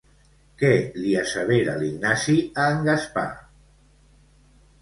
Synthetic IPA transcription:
kɛliasəβeɾaliɡnasiaːŋɡaspa̰

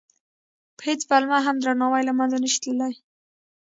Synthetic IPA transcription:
pə̥het͡svalmaɦamd̪ɾanɑwajlamanzanəʃi̥t̪ləlaj

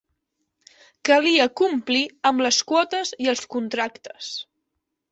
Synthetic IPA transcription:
kəliəkumpliəmləskwɔt̪əziəlˠskunt̪ɾakt̪ə̥s

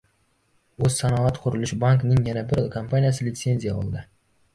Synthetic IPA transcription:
ɵz̥sanɒat̪qʰʊɾɪlɪʃbaŋknɪŋjanabɪɾlˠkʰampʰanijasɪlʲɪt̪se̞nzijaɒ̰lˠd̪ɪ

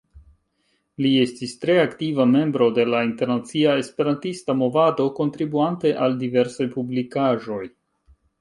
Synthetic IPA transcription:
lie̞stistɾe̞aktivame̞mbɾo̞de̞lainte̞ɾnat͡siae̞spe̞ɾantistamo̞vado̞ko̞ntɾibuante̞ʔaldive̞ɾsajpublikaʒo̞j

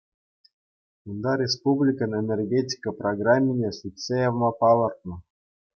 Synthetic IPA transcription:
und̪ɑɾʲespublʲikə̆nenʲerɡʲetʲi̥kəproɡramʲːinʲesʲitʲsʲejɑʋmɑpɑlˠɤ̆rt̪̚nɤ̆

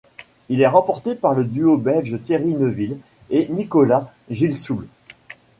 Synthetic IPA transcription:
ilɛʁɑ̃pɔʁt̪epaʁləd̪yobɛlʒət̪jeʁinəvil | enikɔla | ʒilsul

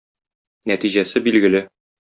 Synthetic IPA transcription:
næt̪iʑæsɘbilɡɘ̆lɘ

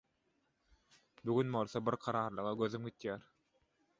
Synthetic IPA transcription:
buɡynbo̞lˠθobiɾqʰɑɾɑːɾlˠɯʁɑɡøðymɡʲit̪jæːɾ

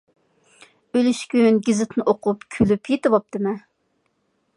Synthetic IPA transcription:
ølyʃkʲynɡʲɪzɪt̪ʰnɨʔoqʰʊpkʲʰylypjet̪ɪvɑp̚d̪̥ɪmɛ

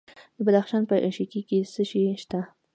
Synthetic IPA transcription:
d̪̥əbad̪axʃɑnpəʔʃikikesəʃiʃt̪a

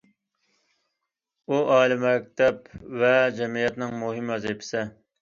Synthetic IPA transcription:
uʔɑːlɪmɛk̚ʲt̪ɛpvɛd͡ʒɛmijɛt̪nɪŋmuɦɪmɛzɪpʰɪ̥sɪ

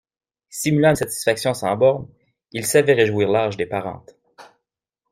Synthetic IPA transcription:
simylɑ̃sat̪i̥sfaksjɔ̃sɑ̰̃bɔʁn | ilsavɛʁeʒwiːʁlaʁʒd̪epaʁɑ̰̃ːt̪

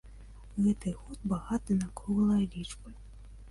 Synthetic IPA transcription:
ɣɛt̪ɨjɣɔd̪baɣat̪ɨnakɔɣlˠɐjɐlʲit͡ʂpɐ

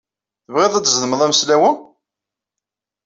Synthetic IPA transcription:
θəvʁeðˤæt͡sːznəməðˤæmslæwən

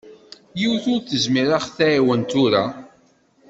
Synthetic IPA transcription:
jiwθʊɾθəzmiɾaχθæʕiwənt̪ʊɾa

